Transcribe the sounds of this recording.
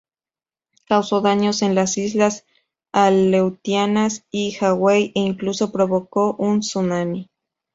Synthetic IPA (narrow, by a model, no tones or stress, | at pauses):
kawsoðaɲosenlasizlas | alewt̪janasixaɣwejʔeiŋkluso̞pɾoβokoʔunsunami